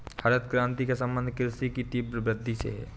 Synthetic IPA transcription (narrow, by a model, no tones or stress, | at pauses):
hɐɾət̪̚kɾãːnt̪ikesɐ̃mbə̃nd̪ʱkɪɾsikit̪iːbɾəbɾəd̪ʱːisḛɦɛ̰ː